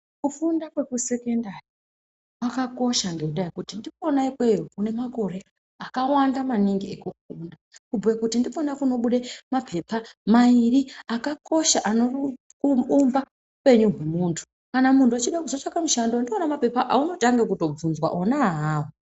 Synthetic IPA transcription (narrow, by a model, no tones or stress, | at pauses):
kufundakwe̞kuse̞kendari | wakako̞ʃaŋɡe̞uɗaekutindipo̞naikwejukune̞mako̞ɾe̞ | akawandamaniŋɡiekufundakub͡vwekutindiponakuno̞ɓuɗemapʰe̞pamairiakako̞ʃaʔano | uumba | upe̞ɲuɦwemuːntʰu̥ | kanamuntuat͡ʃiɗakuzot͡ʂakamuʃandondionamape̞paʔauno̞taŋɡekuto̞b͡vunzwa̰ʔo̞naɦaːwo